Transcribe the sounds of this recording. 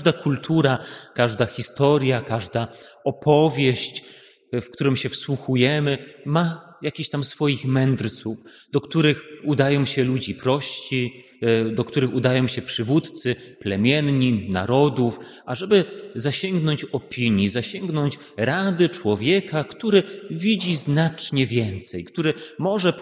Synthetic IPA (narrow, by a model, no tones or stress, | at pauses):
d̪akult̪ʰuɾakaʐd̪axʲist̪ɔɾʲjakaʐd̪aɔpʰɔvʲjeɕt͡ɕ | fkt̪uɾɘmɕɛfswuxujɛmɘma | jakʲiɕt̪amsfɔjixmɛnd̪ɾt̪suf | d̪̥ɔkt̪uɾɘxud̪ajɔ̃w̃ɕɛlud͡ʑipɾɔɕt͡ɕi | d̪ɔkt̪uɾɘxud̪ajɔ̃w̃ɕɛpʂɘvut̪t̪sɘplɛmʲjɛnɲina̰ɾɔd̪uf | ʔaʐɛbɘzaɕɛŋɡnɔɲt͡ɕɔpʲiɲjizaɕɛŋɡnɔɲt͡ɕ | ɾad̪ɘt͡ʂwɔvʲjɛkakt̪uɾɘvʲid͡ʑiznat͡ʂɲɛvʲjɛnt̪sɛjkt̪uɾɘmɔʐɛ